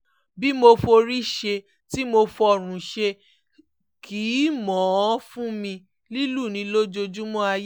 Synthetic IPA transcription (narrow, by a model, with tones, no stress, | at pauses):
bi˦mo˧fo˧ɾi˦ʃe˧ | ti˦mo˧fɔ˨ɾ̃ũ˨ʃe˧ | kʰi˨˦mɔ̃˨˦fũ˦mĩ˧ | li˦lu˦˨nĩ˧lo˦d͡ʒo˧d͡ʒu˦mɔ̃˦a˧j